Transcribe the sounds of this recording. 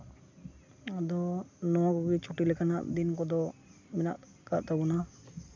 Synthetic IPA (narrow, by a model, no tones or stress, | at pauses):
ad̪ɔnɔwaɡuɡit͡ʃʰuʈilɛkana̰ʔd̪inkɔd̪ɔmɛna̰ʔ | ka̰ʔt̪abɔna